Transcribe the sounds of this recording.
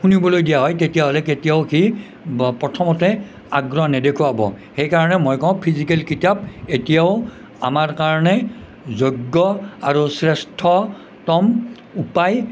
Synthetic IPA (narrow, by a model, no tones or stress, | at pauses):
xunibɔlojdijaɦɔjtetijaɦɔlɛketijaʊki | pɹɔtʰɔmɔtɛ | aɡɹɔnɛdekʰuabɔ̰ | xejkaɹɔnɛmojkɔ̃pʰizikɛlkitap̚etijaʊ | a̰maɹkaɹɔnɛ | zoɡːɔaɹusɹɛstʰɔ | tɔm | upaj